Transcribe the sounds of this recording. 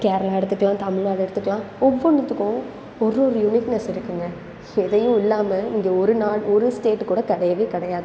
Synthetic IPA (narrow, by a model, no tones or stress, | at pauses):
keːɾɐlaːɛɽɯt̪ːɯkːɐlãːt̪ɐmɪɻnaːɭɛɽɯt̪ːɯkːɐlãːɔʋːɔɳɯt̪ːɯkːʊ̃ | ɔɾːɔɾɯjʊnɪʈnɛsɪɾɯkːɯŋɡɐ | ɛðɐjʊ̃ɪlːaːmɐɪŋɡeːɔɾɯnaːɭɔɾɯsʈeːʈːkuːɽɐkɐɽɐjɐʋeːkɐɽɐjaːðɯ